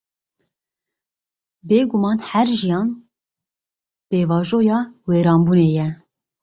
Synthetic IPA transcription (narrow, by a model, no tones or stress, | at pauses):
beːɡumɑːnhæɾʒijɑːn | b̥eːvɑːʒoːjɑːweːɾɑːmbuːneːjɛ